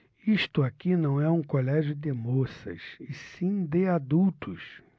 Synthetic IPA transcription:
iʃt̪ʊakinɐ̃w̃ɛũkolɛʒjʊd̪ɪmosɐ̰sɪsĩd̪ɪad̪uwt̪ʊs

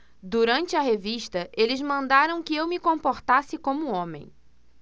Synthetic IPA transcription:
d̪uɾɐ̃nt͡ʃɪɐɦeviʃt̪ɐʔelɪzmɐ̃nd̪aɾɐ̃w̃kɪewmɪkõpoɾt̪asɪkõmʊõmḛ̃j̃

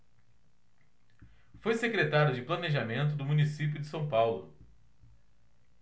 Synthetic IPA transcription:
fojsekɾet̪aɾjʊd͡ʒɪplɐneʒamẽnt̪̬ʊd̪ʊmũnisipjʊd͡ʒɪsɐ̃w̃pawlʊ

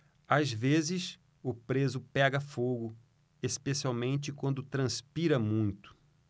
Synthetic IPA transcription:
azvezɪs | ʊpɾezʊpɛɡɐfoɡʊ | espesiawmẽnt͡ʃɪkwɐ̃nd̪ʊt̪ɾɐ̃spiɾɐmũj̃t̪ʊ̥

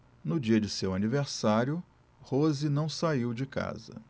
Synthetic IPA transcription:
nʊd͡ʒiɐd͡ʒɪsewaniveɾsaɾjʊ | hozɪnɐ̃w̃saiwd͡ʒɪka̰zɐ̰

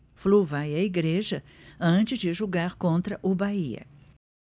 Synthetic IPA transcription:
fluvajɐiɡɾeʒɐ | ɐ̃t͡ʃɪzd͡ʒɪʒuɡaɾkõnt̪ɾɐʔʊbaiɐ̰

